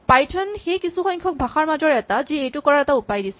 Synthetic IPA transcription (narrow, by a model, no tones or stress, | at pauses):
pajtʰɔnxejkisuxɔjkʰɔk̚bʱaxaɹmazɔɹɛtaziejtʊkɔɹaɹɛtaupajdisɛ